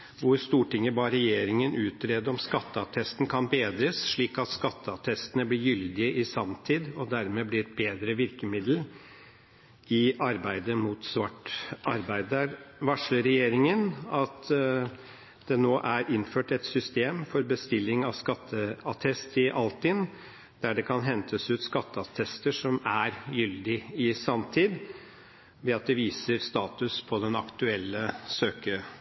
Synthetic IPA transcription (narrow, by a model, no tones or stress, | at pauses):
ʋʊɾst̪uːʈʰɪŋːəbɑːɾɛjeːɾɪŋənʔʉːt̪ɾeːd̪əɔmskɑt̪ːəɑt̪ʰɛst̪n̩kʰɑnbeːd̪ɾəsʂɭiːkɑt̪skɑt̪ːəɑt̪ʰɛst̪ənəblɪɾjʏld̪ɪəʔɪsɑmt̪ʰiːd̪ɔd̪æɾmeːblɪɛt̪̚beːd̪ɾəʋɪɾkəmɪd̪l̩ | ɪɑɾbæɪd̪əmuːt̪sʋɑʈːɑɾbæɪd̪əɾʋɑʂləɾɛjeːɾɪŋənɑt̪ | d̪̥ɛnoːʔæɾɪnːføːʈɛt̪sʏst̪eːmfɔɾbəst̪ɪlːɪŋɑʋskɑt̪ʰːəɑt̪ʰɛst̪ʰɪʔɑlt̪ɪn | d̪̥æɖɛkʰɑnɦɛnt̪ʰəsʉːt̪skɑt̪ːəɑt̪ʰɛst̪əʂɔmæɾjʏld̪ɪɪsɑmt̪ʰiːd̪ | ʋeːɑt̪̚d̪ɛʋiːsəɾst̪ɑːt̪ʉspʰɔd̪ɛnɑkt̪ʉɛlːəsøːkə